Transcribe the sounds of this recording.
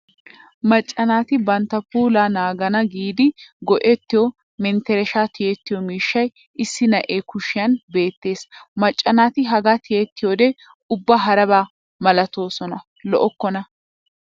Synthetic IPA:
mɐt͡ʃʼːɐnaːt̪ɪbɐnt̪ːɐpuːlaːnaːɡɐnɐɡiːd̪ɪɡɔʔɛt̪ːɪjɔ | mɛnt̪ɛɾɛʃaːt̪ɪjɛt̪ːɪjɔmiːʃːɐj | ɪsːɪnɐʔeːkʊʃɪjɐnbe̞ːt̪ːe̞ːsmɐt͡ʃʼːɐnaːt̪ɪɦɐɡat̪ɪjɛt̪ːɪjoːd̪ɛ | ʊbːaɦɐɾɐbaː | mɐlɐt̪o̞ːsɔnɐ | lɔʔɔkːɔnɐ

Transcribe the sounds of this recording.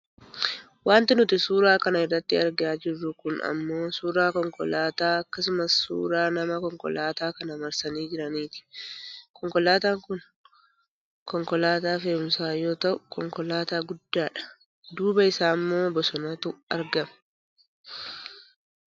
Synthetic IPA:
waːnt̪ɪnʊt̪ɪsuːɾaːkɐnɐɪrːɐt̪ːɪɐɾɡaːd͡ʒɪrːʊkʊnɐ̰mːo̞ːsuːɾaːkɔŋkɔ̰laːt̪aːɐkːɐsʊmɐsːṵːɾaːnɐmɐkɔŋkɔ̰laːt̪aːkɐnɐmɐɾsɐniːd͡ʒɪɾɐniːt̪ɪ̥kɔŋkɔlaːt̪aːŋkʊn | kɔŋkɔlaːt̪aːfeːʊmsaːjo̞ːt̪ɐʔʊkɔŋkɔlaːt̪aːɡʊd̪ːaːᶑɐ̥ | d̪uːbɐɪsaːmːo̞ːbɔsɔnɐːt̪ʊʔɐɾɡɐm

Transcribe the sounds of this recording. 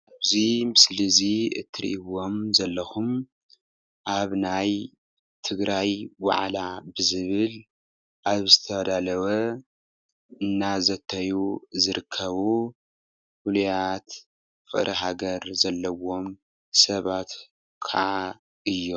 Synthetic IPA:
ʔaaβzimɨsliziɨ̰t̪ʰːɨɾḭʔiwo̞mzɐlːɐxum | ʔaβnaj | t̪ʰɨɡɾajwa̰ʕlabɨzɨβɨl | ʔaβzɨt̪ʰɐd̪alɐwɐ | ɨnːazɐt̪ʰːɐjuzɨɾɨkʰːɐβu | hulujat̪ | fɨʔʼɾʔiɦaɡɐɾzɐlːɐwo̞m | sɐβat̪ | kʰa̰ʔa | ɨjːo

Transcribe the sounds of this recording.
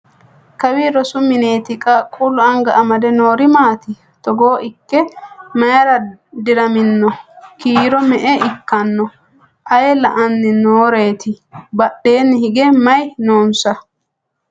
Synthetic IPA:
kɐwiɾɔsʊmɪneːt̪ɪkʼɐkʼʊlʊɐŋɡɐʔɐmɐd̪ɛnoːɾɪmaːt̪ɪ | t̪ɔɡoːʔɪkːɛmɐjɐɾɐd̪ɪɾɐmɪnːɔkiːɾɔmɛʔɛɪkːɐnːɔ | ʔɐjɛlɐʔɐnːɪnoːɾe̞ːt̪ɪbɐɗe̞ːnːɪhɪɡɛmɐjnoːnsɐ

